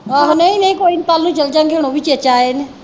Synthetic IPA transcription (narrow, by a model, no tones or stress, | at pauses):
aɦneĩːnəĩkoːiːnt̪aːlnũːt͡ʃəld͡ʒãːɡeːɽ̃õːbiːt͡ʃet͡ʃaːeːne